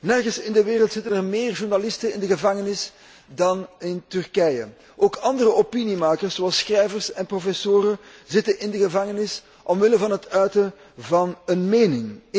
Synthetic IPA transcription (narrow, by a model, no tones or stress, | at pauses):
nɛrɣənsɪndəʋɪːɾəlˠtsɪtənərmeːrʒurnalɪstənɪndəɣəvɑŋənɪs | dɑnɪntʏrkɛjə̰ | ʔoːkɑndərəʔopinimaːkərsoɑlˠsxrɛjvərsɛnprofɛsoːɾəzɪtənɪndəɣəvɑŋənɪs | ʔɔmʋɪləvɑnɦətœɥtə | vɑnənmeːnɪŋ